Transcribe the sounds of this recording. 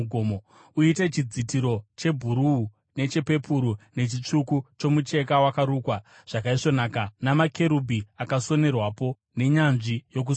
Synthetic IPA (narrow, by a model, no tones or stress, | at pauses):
ɡʱomo | uite̞t͡ʃid͡zitiɾo̞t͡ʃe̞bʱuɾuu | ne̞t͡ʃe̞pe̞pʰuɾune̞t͡ʃit͡ʂukut͡ʃo̞mut͡ʃe̞kawakaɾuːkwa | ʐ̥akaiʂo̞naːkanamake̞ɾubʱiakaso̞ne̞rwapo̞ | ne̞ɲanʐijo̞k̬us